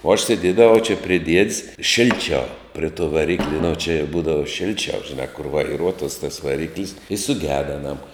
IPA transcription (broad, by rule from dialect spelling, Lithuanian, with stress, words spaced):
oː ɐʃ sʲeːˈdʲiɛdɐʋɐʊ t͡ʃʲɛ pʲrʲɪ ˈdʲiɛtʲs ˈʃʲɪlʲˌt͡ʃʲɛʊ pʲrʲɪ tuɔ ʋɐˈrʲɪklʲɪ nʊ t͡ʃʲɪ ˈbuːdɐʋɐ ˈʃʲɪlʲt͡ʃʲɛʊ ʒʲɪˈnɑː kʊr ʋɐɪˈruɔtuɔs tɐs ʋɐˈrʲɪklʲɪs ɪ sʊˈɡʲæːdɐ ɐˈnɐm